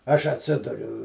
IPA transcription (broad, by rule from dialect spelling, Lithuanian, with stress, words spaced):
ˈɐʃ ɐtʲˈsʲɪdʊrʲʊ